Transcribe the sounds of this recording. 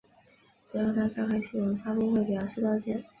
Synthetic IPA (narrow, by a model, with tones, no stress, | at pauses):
ʈ͡ʂɻ̩˧˥jo˥˩ʊt̪ʰa˥t͡ɕɑ˥˩kʰa˥˩ɪɕi˥wə˧˥nfa˥kʊ˥ŋxwe˥˩ɪpi˨˩jʊʂ̩˥˧t̪ɑ˥ʊt͡ɕjɛ˥n